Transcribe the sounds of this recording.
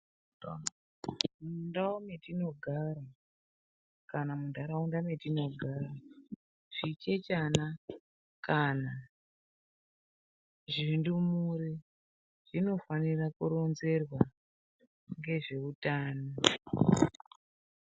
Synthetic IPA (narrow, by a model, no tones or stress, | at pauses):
mundawometino̞ɡʱaɾa | kanamundaɾaundametino̞ɡʱaːra | ʐ̥it͡ʃe̞t͡ʃana | kana | ʐindumuɾi | ʐ̥ino̞fanirakuɾo̞nze̞rwa | ŋɡe̞ʐe̞utaːno